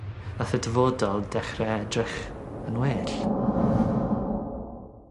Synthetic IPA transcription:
vaθədəvɔdɔlˠdɛχrɛɛdrɪχənweːɬ

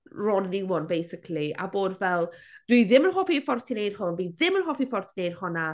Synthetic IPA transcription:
rɔːnəniwɔnbejsɪkʰlia̰boːdvɛlˠd̥wiðɪmənhɔfifɔrtʰinejd̥hʊnðiðɪmənɦɔfifɔrtʰinejd̥hʊna

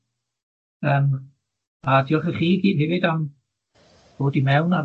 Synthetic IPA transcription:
əːm | adiɔχəχiːɡiːd̥̚hɛvɪdam | b̥oːdimɛwna

